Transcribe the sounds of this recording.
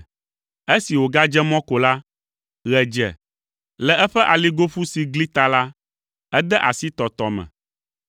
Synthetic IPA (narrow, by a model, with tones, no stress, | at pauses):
e˦si˨wo˨ɡa˦d͡ʒɛ˦mɔ̃˦ko˨la˦ | ɣɛ˨d͡ʒɛ̰˨ | lɛ˨ʔɛ˦ɸɛ˦ʔa˨li˦ɡo˦ɸu˦si˨ɡli˦t̪a˨la˦ | ɛ˦d̪ɛ˦ʔa˨si˦t̪ɔ˨t̪ɔ˨mɛ̰̃˨